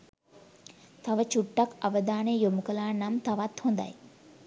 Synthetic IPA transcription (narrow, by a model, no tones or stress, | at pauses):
t̪aʋət͡ʃuʈːakaʋəd̪aːnejomukəlaːnːamt̪aʋat̪hond̪a̰j